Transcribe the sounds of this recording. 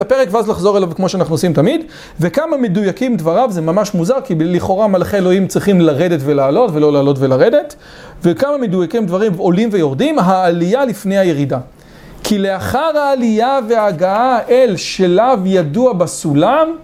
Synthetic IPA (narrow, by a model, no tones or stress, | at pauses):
apeʁekveazlaχzo̞ʁelavkmo̞ʃeanaχnuosimtamid | vekamamedujakimdvaʁavzemamaʃmuzaʁkiliχo̞ʁamalaχeelo̞imt͡sʁiχimlaʁedetvelaːlo̞tve̞lo̞laːlo̞tvelaʁe̞de̞t | vekamame̞dujakimdvaʁimo̞limvejo̞ʁdimɦaːlijalifne̞jaje̞ʁida | kʰile̞aχaʁhaːlijaveaːɡaaʔelʃelavjaduabasulam